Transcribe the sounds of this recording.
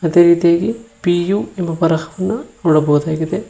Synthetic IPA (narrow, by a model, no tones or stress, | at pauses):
ɐd̪eːɾiːt̪ijaːɡipijuːimːɐpɐɾɐhɐʋɐnːɐnoːɽɐboːud̪aːɡid̪e